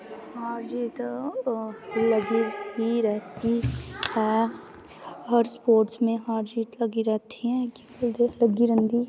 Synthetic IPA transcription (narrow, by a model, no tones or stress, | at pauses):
haːɾd͡ʒiːt̪ | lɐɡibiɾɛɦt̪ihɛː | ɦəɾspoːɾʈsmẽɦaːɾd͡ʒiːt̪ləɡiɾɛɦt̪ʰiɦɛkibold̪eləɡiɾə̃nd̪i